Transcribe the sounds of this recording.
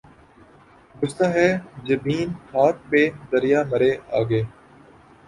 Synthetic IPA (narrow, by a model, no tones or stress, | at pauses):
ɡʊst̪aːɦɛːd͡ʒəbiːnhʰaːt̪̚pẽːd̪əɾɪjaːməɾeːa̰ːɡeː